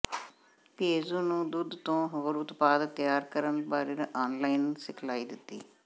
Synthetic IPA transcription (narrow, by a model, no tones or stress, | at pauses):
t̪eːzõːnũːd̪ud̪t̪õːɦoːɾʊt̪paːd̪t̪jaːɾkəɾənbaːɾeɾʔaːnlaːinsɪkʰlaːiːd̪ɪt̪ːḭː